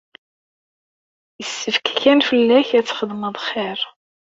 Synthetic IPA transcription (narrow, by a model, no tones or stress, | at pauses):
jəsːəfkçænfəlːæçæt͡sːχəðməðˤχːɪɾ